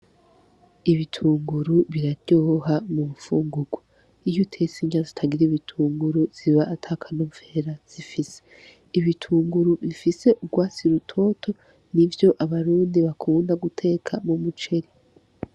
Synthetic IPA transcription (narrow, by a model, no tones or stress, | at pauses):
iβitʰuːŋɡuɾuβiɾaɾɟ̥oːɦamumufuːŋɡuɡwu | ijutʰesiɲazi̥tʰaɡiɾiβitʰuːŋɡuɾuz̥iβaʔːtʰakʰanuɱfe̞ɾaz̥ifise̥ | iβitʰuːŋɡuɾuβifise̞ʔuɡwaːsiɾutʰo̞ːtʰo̞ | nivjo̞ʔaβaɾuːndiβakʰuːndaɡutʰe̞ːkʰamumut͡ʃe̞ɾi